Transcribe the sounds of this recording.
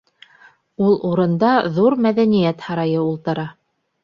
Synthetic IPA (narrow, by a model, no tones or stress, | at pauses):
ulˠuɾɤ̆nd̪ɑðuɾmæðænijæt̪hɑɾɑjɤulˠt̪ɤ̆ɾɑ